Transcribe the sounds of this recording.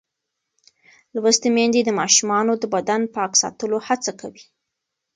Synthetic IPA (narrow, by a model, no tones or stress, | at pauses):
lwəst̪emend̪ed̪əmɑʃumɑnod̪əbad̪anpɑksɑ̰t̪əlohat͡sakawi